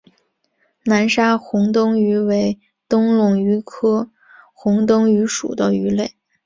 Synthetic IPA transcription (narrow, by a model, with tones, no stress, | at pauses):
na˧˥nʂa˥xʊ˧˥ŋt̪ʊ˥ŋy˧˥we˧˥ɪ | t̪ʊ˥ŋlʊ˥˩ŋy˧˥kʰɤ˥ | xʊ˧˥ŋt̪ʊ˥ŋy˧˥ʂṵ˨˩d̪ə˦y˧˥le˥˩ɪ